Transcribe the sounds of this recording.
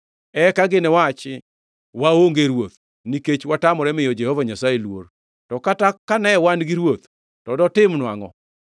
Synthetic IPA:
ɛkaɡɪnɛwat͡ʃɪ | waoŋɡeɾwot̪̚ | niket͡ʃwatamɔɾɛmɪjod͡ʒɛhɔvaɲasajelwo̰r | tɔkatakanɛwanɡɪɾwot̪ | tɔdɔtɪmnwaŋɔ

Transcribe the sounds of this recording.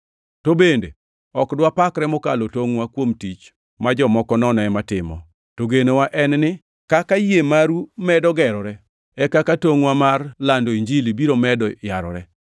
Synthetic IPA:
tobendḛ | ɔkdwapakɾɛmɔkalotoŋwakwomtit͡ʃ | mad͡ʒɔmɔkɔnɔnɔɛmatɪmɔ̰ | toɡenowaʔɛnnɪ | kakajemaɾumɛdɔɡɛɾɔɾɛ | ɛkakatoŋwamarlandoiɲd͡ʒilibiɾomɛdɔjaɾɔ̰ɾɛ

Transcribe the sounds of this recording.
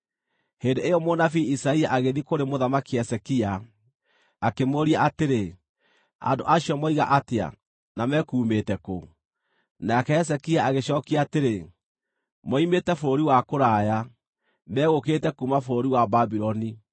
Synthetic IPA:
hendeejɔmonafiisaiaʔaɣeðikoɾemoðamakiɛsɛkiaː | kemoɾiaʔateɾe | a̰ndo̰ʔaɕiɔmɔiɣa̰ʔatea̰ | namɛkuːmetɛko | nakɛɛs̬ɛkiaaɣeɕɔːkiaːteɾe | mɔimetɛfoɾoɾiwakoɾaːja | mɛːɣokeːtɛkumafoɾoɾiwababiɾɔni

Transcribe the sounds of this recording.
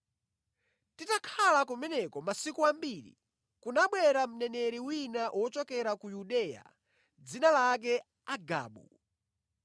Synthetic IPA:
titakʰalakumɛnɛkɔmasikuambiɾḭ | kunaɓwɛɾam̩nɛnɛɾiwinaʔwʔɔt͡ʃɔkɛɾakujuɗɛja̰ | d͡zinalak̬ɛ | aɡa̰ːɓu

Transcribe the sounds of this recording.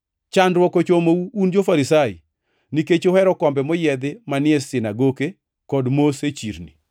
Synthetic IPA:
t͡ʃandɾwɔkot͡ʃomouund͡ʒofaɾisaḭ | niket͡ʃohɛɾɔkɔmbɛmɔjɛd̪ɪmanɪɛsɪnaɡoke | kɔdmoset͡ʃḭɾni

